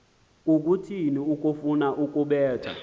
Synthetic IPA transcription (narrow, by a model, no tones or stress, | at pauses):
k̬ʼuk̬utʰiniuk̬ʼufunaʔuk̬ʼuɓɛːtʰa̰